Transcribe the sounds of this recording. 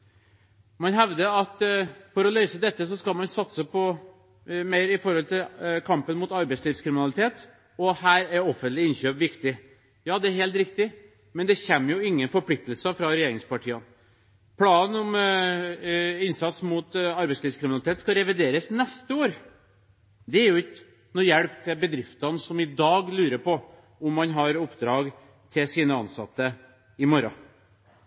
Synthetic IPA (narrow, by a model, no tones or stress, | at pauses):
mɑnɦɛʋd̪əɑt̪fɔɾɔlœʏsəd̪ɛt̪ːəsɔskɑlmɑnsɑt̪səpʰɔ | meɪɾɪfɔɾhɔlt̪ʰɪlkʰɑmpənmʊːt̪ɑɾbɛɪsliːfskɾɪmɪnɑlɪt̪ʰeːt̪ | ɔhæːɾæɾɔfənt̪lɪɪnɕøːpʋɪkt̪ɪ | jɑːd̪ɛæɾheːlt̪ɾɪkt̪ɪ | mɛnd̪ɛçɛmːəjʊɪŋːənfɔɾplɪk̚t̪əlsəfɾɑɾɛjeːɾɪŋspɑʈʰiːən | pʰlɑːnɔm | ɪnsɑt̪smuːt̪ɑɾbɛɪsliːskɾɪmɪnɑlɪt̪eːt̪skɑɾɛʋɪd̪eːɾəsnɛst̪əoːɾ | d̪ɛæɾjʊɪk | nuːjɛɽpt̪ʰɪbəd̪ɾɪft̪ɑnsɔmɪd̪ɑːɡlʉːɾəpʰɔ | ɔmːɑnɦɑɾɔpːd̪ɾɑːɡ | t̪ʰɪlsiːnəɑnsɑt̪ːə | ɪmɔɾɑ